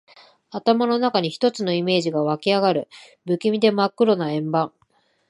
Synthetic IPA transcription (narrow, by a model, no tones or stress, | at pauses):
at̪amano̞nakaɲ̟içi̥t̪o̞t͡sɨno̞ime̞ːʑiɡaβakʲiaɡaɾɯ̟ | bɯ̟kʲimʲid̪e̞makːɯ̟ɾo̞naẽ̞mbãŋ